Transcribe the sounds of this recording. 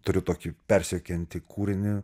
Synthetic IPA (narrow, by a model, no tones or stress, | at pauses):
t̪ʊɾʲʊt̪oːkʲipʲɛɾʲsʲɛkʲɛnʲt̪ʲɪkʰuːɾʲɪnʲɪ